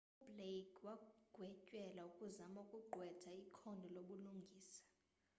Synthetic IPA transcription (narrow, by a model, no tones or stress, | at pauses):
ublekʰʼwaɡ̥ʱwɛcʼwɛlaukʼuzamaukʼuɡ͡ǃʱwɛtʰaikʰɔndʱɔloɓuluŋɡʱiːsḁ